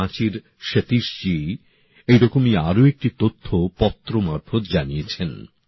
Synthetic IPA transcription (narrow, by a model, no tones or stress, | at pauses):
ãt͡ɕiɾ | ʃet̪iʃd͡ʑi | ejɾɔkomiaɾoek̚ʈit̪ot̪ʰːopɔt̪ːɾomaɾbʰʱod̪d͡ʑanijet͡ɕʰen